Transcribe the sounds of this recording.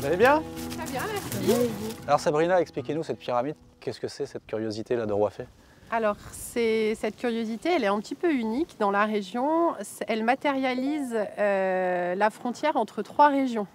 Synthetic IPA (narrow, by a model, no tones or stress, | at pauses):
valebjɛ̃t̪χɛbjɛ̃ɛs | alɔʁsabʁinaɛksplikʲenusɛt̪̚piʁamid̪ | kʲɛskəsɛsɛt̪̚kʲyʁjozit̪elad̪əʁwafɛ | alɔʁsɛsɛt̪̚kʲyʁjozit̪eɛlɛt̪ɛ̃pət̪ipøynikd̪ɑ̃laʁeʒjɔ̃sɛlmat̪eʁjalizølafχɔ̃t̪jɛʁɑ̃t̪χət̪χwaʁeʒjɔ̃